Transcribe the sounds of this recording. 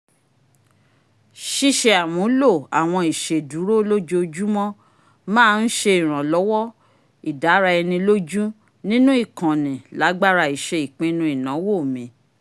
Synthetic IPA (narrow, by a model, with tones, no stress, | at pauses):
ʃi˦ʃe˧a˨mũ˨˦lo˦˨a˨w̃ɔ̃˧i˨ʃe˨du˨˦ɾo˦lo˦d͡ʒo˦˧d͡ʒu˦mɔ̃˦ | mãː˦˧n̩˦ʃe˧i˨ɾ̃ã˨lɔ˨˦wɔ˦ | i˨da˨˦ɾa˧ɛ˧nĩ˧lo˦d͡ʒu˦ | nĩ˦nũ˦i˦˨kã˨nĩ˨la˨˦ɡ͡ba˦ɾa˧˨i˨ʃe˧i˨k͡pĩ˦nũ˧˦i˨nã˨˦wo˦˨mĩ˨˧˦